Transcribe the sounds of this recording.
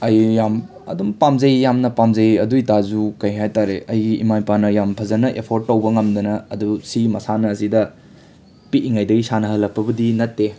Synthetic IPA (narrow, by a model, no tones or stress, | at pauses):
ɐjːam | ɐ̰dumpamzɐjjamnɐpamzɐjɐduitazukɐjɦajtaɾeʔɐjɡiḭmajpanɐjampʰɐzɐnɐʔepʰoɾt̚ːɐwbɐŋɐmd̪ɐnɐɐdusimɐsanɐːzidɐ | piiŋajdɐɡisanɐɦɐlːɐk̚pʰːɐbɐdinɐtːe